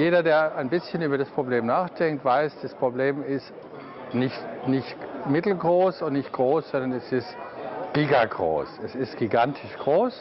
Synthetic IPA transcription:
jeːɾɐdeːɐaɪnbɪsçənyːbɐɾaspʁ̥obleːmnaːχd̥ɛŋk̚tv̥aɪsd̥aspʁ̥obleːmɪst | nɪçtnɪçtmɪtl̩ɡʁoːsʊntnɪçt̚ɡ̥ʁoːsz̥ɔndɐnɛsɪstɡ̥iːɡaɡʁo̰ːsɛsɪstɡ̥iɡantʰɪʃɡ̥ʁoːs

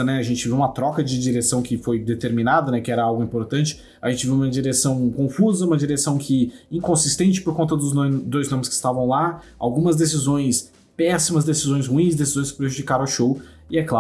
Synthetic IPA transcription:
ɐnɛɐʒẽnt͡ʃɪviwũmɐt̪ɾɔkɐd͡ʒɪd͡ʒiɾesɐ̃w̃kɪfojd̪et̪eɾminad̪ɐnɛkɪɛɾɐawɡʊĩpoɾt̪ɐ̃nt͡ʃɪ̥ | ɐʒẽnt͡ʃɪviwũmɐd͡ʒiɾesɐ̃w̃kõfuzɐũmɐd͡ʒiɾesɐ̃w̃kʰɪĩŋkõsist̪ẽnt͡ʃɪ̥poɾkõnt̪ɐd̪ʊznod̪ojznõmɪskɪ̥st̪avɐ̃w̃la | a̰wɡũmɐzd̪es̬izõj̃s | pɛsimɐzd̪esizõj̃s̬huĩsd̪esizõj̃skɪpɾeʒud͡ʒikaɾ̃ʃow | ɪɛkla

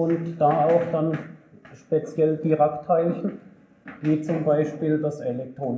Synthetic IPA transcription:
ʊntd̥aːaʊxd̥anʃpet͡sjɛld̥iʁaktʰhaɪlçn̩ | viːt͡sʊmbaɪʃpiːldaselɛk̚tʁ̥oːn

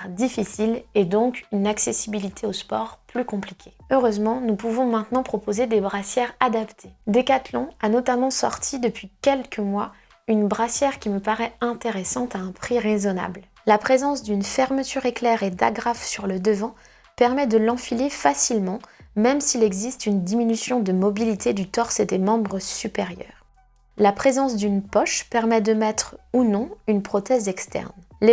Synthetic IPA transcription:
d̪ifisiled̪ɔ̃kynaksesibilit̪ʰeospɔʁplykɔ̃plikʲeøʁøzmɑ̃nupuvɔ̃mɛ̃t̪nɑ̃pχɔpozed̪ebʁasjɛʁad̪apt̪ʰed̪ekat̪lɔ̃anɔt̪amɑ̃sɔ̰ʁt̪ʰid̪əpɥikʲɛlkʰəmwa | ynbʁasjɛʁkʲiməpaʁɛɛ̃t̪eʁesɑ̃t̪aɛ̃pχiʁezɔna̰bl | lapχezɑ̃sd̪ynfɛʁmət̪ʰyʁeklɛʁed̪a̰ɡʁafsyʁləd̪əvɑ̃ | pɛʁmɛd̪əlɑ̃filefasilmɑ̃mɛmsilɛɡzist̪ynd̪iminysjɔ̃d̪əmɔbilit̪ed̪yt̪ɔʁsed̪emɑ̃bʁəsypeʁjœ̰ːʁ | lapχezɑ̃s̬d̪ynpɔʃpɛʁmɛd̪əmɛt̪χunɔ̃ynpχɔt̪ɛzɛkst̪ɛ̰ʁn | l

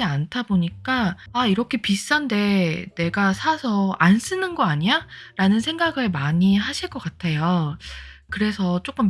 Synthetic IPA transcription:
iantʰaboɲik͈aaiɾʌkʰe̞pis͈ʌnde̞ne̞ɡasʰasʰʌans͈ʰɯnɯnɡʌaɲiaɾanɯnsʰe̞ŋɡaɡɯɭmaɲiɦaɕʰiɭk͈ʌk͈atʰe̞jo | kɯɾe̞sʰʌt͡ɕ͈ok͈ɯm

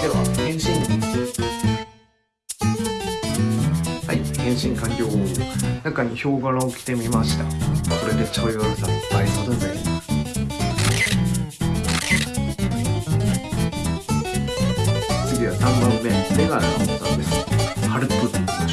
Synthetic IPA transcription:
d̪e̞βa̰hẽ̞ɰ̃ɕĩn | ha̰ihẽ̞ɰ̃ɕĩŋkãŋkʲo̞ːhoːnakaɲ̟iço̞ːɡaɾãokʲi̥t̪e̞mʲimaɕi̥t̪ako̞ɾe̞d̪e̞t͡ɕoioɾɯsapaimod̪onai | t͡sɨɡʲiβasãmbãmːe̞meɡaɾana̰mosa̰d̪esɨohaɾɯ̟kɯ

